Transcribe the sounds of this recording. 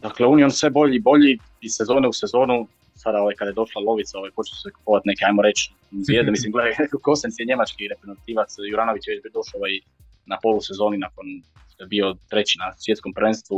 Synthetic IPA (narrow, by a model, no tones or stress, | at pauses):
d̪akleunio̞nsʋe̞bo̞ʎiːbo̞ʎi | isezo̞ːnɛuse̞zo̞ːnu | sad̪ao̞ʋajkad̪ajed̪o̞ʃlˠalˠo̞ʋit̪sao̞ʋajpo̞t͡ʃeu̥seku̥poʋat̪ne̞keajmoɾe̞t͡ʃ | zjed̪emislimɡleko̞sensijeɲe̞mat͡ʃkiɾepɾezent̪iːʋat̪sjuɾano̞ʋit͡ʃjʋet͡ɕbid̪o̞ʃaoʋaj | napo̞lˠuse̞zo̞ːninakon | ʃt̪ojebio̞t̪ɾe̞t͡ɕinasʋjet̪skompɾʋe̞nst̪ʋu